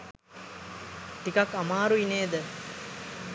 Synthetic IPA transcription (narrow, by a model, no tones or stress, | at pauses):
t̪ikɐkːɐmaːɾuineːd̪ə